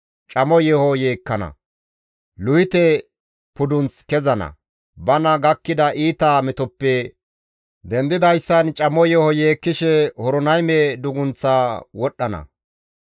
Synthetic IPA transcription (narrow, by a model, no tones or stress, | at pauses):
t͡ʃʼɐmɔjɛhɔjeːkːɐnɐ̰ | lʊhɪt̪ɛ | pʊd̪ʊnt͡skɛzɐnɐ̰ | bɐnɐɡɐkːɪd̪ɐʔiːt̪aːmɛt̪ɔpːɛ | d̪ɛnd̪ɪd̪ɐjsːɐnt͡ʃʼɐmɔjɛhɔjeːkːɪʃɛhɔɾɔnɐjmɛd̪ʊɡʊnt͡sːaːwɔɗːɐnɐ̰